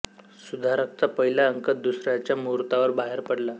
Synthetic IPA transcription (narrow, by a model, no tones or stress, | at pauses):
sud̪ʱaɾək̚t͡sapəɦilaəŋkət̪̚d̪usɾjat͡ɕjamuɾt̪aʋəɾbaɦeɾpəɽla